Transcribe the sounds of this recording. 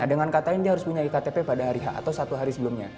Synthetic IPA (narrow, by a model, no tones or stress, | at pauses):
nadəŋankat̪aɪndiaɦaɾʊspuɲaikat̪epepadaɦaɾiɦa̰ʔa̰t̪awsat̪uɦaɾisəbəlumɲa